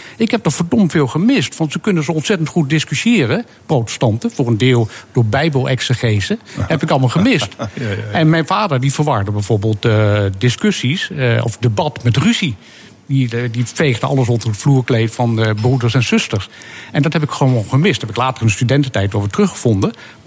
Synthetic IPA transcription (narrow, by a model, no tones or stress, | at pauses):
ɪkɦɛp̚dɔfɔɹdɔmtfɪːlˠχəmɪstʋɑntsəkɵnənzəɔntsɛtəntχut̚dɪskysjɪːrə | prowtə̥stɑntəfʊːrəndɪːlˠd̥ʊːɹbɛjbəlˠʔɛksəχezəhɛpɪkɑlˠmalˠχəmɪstɛnmɛjnvaːdəɹdivəɹʋɑɹdəbɛjvʊːɹbeːlˠtdɪskøsisɔ̰fdəbɑtmɛtryzi | didifejχdəɑ̰ləs̬ɔndərətfluːɹklejtfɑnbrudəɹsɛnz̥ʏstəɹsʔɛndɑthɛpɪkχəoonχəmɪsthɛpɪklaːtəɹənstydɛntətɛjtoɹvətrɵχəvɔndə